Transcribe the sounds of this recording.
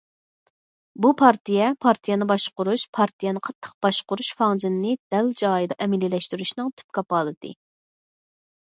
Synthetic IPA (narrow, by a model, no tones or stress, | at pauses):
bupʰɑɾt̪ʰijɛpʰɑɾt̪ʰijɛnɨbɑʃqʊɾuʃpʰɑɾt̪ʰijɛnɨqʰɑt̪ʰːə̥q̚b̥ɑʃqʊɾuʃfɑŋd͡ʒɨnːɨd̪̥ɛld͡ʒɑːjid̪ɑʔɛmɪlːilɛʃt̪yɾyʃnɨŋt̪ʰy̥p̚kɑpɑlˠɨd̪̥ɨ̰